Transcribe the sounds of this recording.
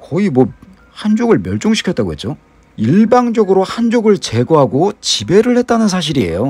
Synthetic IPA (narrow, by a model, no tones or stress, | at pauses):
kʌimwʌ | hand͡ʑoɡɯɭmjʌɭt͡ɕ͈oŋɕ̬ʰikʰjʌt͈aɡoɦet͡ɕ͈o | iɭbaŋd͡ʑʌɡɯɾohand͡ʑoɡɯɭt͡ɕe̞ɡoɦaɡot͡ɕibe̞ɾɯɭhe̞t̚t͈anɯns̬ʰaɕ̬ʰiɾie̞̰jo